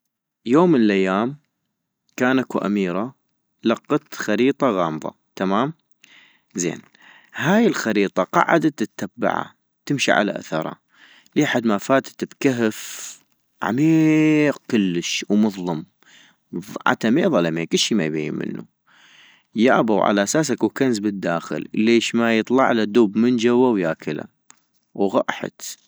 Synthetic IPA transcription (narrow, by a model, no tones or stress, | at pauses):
joːmːənəlʔajːaːm | kaːnʔakuʔa̰miːɾˤa | lɑqːɑt̪xɑɾiːt̪ˤɑɣɑːmðˤɑ̰ | t̪amaːm | zḛːn | haːjɪlxɑɾiːt̪ˤɑqɑ̰ʕa̰d̪at̪ɪt̪ːabːa̰ʕa̰ | t̪ɪmʃḭʕa̰la̰ʔa̰θɑɾˤɑ̰ | liːħad̪mafaːt̪t̪bkaɦəf | ʕa̰miːq̚kʊlːəʃwmʊðˤlɑm | ðʕa̰t̪ːameːðˤɑlamekɪlʃimajbajːɪnmɪ̰nːṵ | jaʔabawʕa̰laʔasaːs̬akwkanzbɪd̪ːaːxə̰lleːʃmajɨt̪ˤlɑ̰ʕlad̪uːbmənd͡ʒawːawjaːkʰɪla̰ | wɣɑʔħa̰t̪